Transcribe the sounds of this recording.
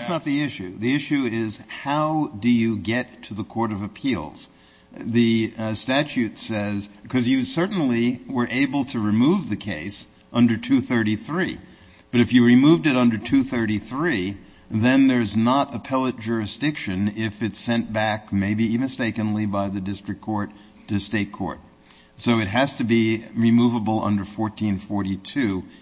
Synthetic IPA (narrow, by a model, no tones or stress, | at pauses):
æsnət̪̚ðiɪʃʉðiɪʃʉɪz̥haʊdɨjɨɡɛtʰɨðəkʰɔɹɾʌvɨpʰilˠz̥ | ðɨstæt͡ʃʉtsɛz̥kʰʌzjɨsɜ˞ʔn̩liwə˞ʔeɪbl̩ˠtʰɨɹɨmuvðɨkʰeɪs | ʔʌ̃ndə˞tʰʉθɜ˞ɾiθɹi | b̥ʌɾɨfjɨɹimuvdɨɾʌ̃ndə˞tʰʉθɜ˞ɾiθɹi | ðɨ̃nðə˞ɨznəɾəpʰɛlˠət̚d̥ʒ̥ʊɹɨsd̥ɪkʃɨ̃nɪfɨtsɛ̃nb̥ækmeɪbiivɨ̃steɪkɨ̃nlibaɪðɨdɪstɹ̥ɨk̚kʰɔɹtʰ | ɨsteɪt̚kʰɔ̰ɹt̚ | soʊɨt̚ɦɨz̥tɨbiɹimuvəbl̩ˠʌ̰̃ndə˞fɔɹtʰĩnfɔɹɾitʰʉ